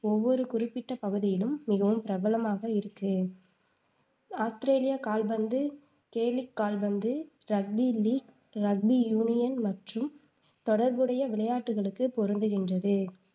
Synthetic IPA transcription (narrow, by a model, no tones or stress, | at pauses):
ɔʋːɔɾɯkʊrɪpːɪʈːɐpɐɣɯðɪjɪlɯmːɪɣɐʋɯmpɪɾɐbɐlɐmaːɣɐɪɾɯkːɯ | aːst̪ɾeːlɪjakaːlbɐnd̪ɯ | keːlɪkːaːlbɐnd̪ɯ | ɾɐɡ̚biliːk | ɾɐɡ̚bijuːnɪjɐnmɐʈrɯm | t̪ɔɽɐɾbɯɽɐjɐʋɪɭɐjaːʈːɯɣɐɭɯkːɯpɔɾɯnd̪ɯɣɪndrɐðɯ